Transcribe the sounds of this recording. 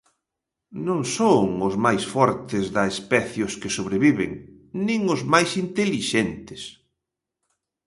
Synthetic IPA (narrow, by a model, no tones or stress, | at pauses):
nõŋsoŋʊzmajsfɔɾt̪ɪzðɐespɛθjʊskɪsoβɾeβiβɪŋ | nĩŋʊzmajsint̪eliʃent̪ɪ̥s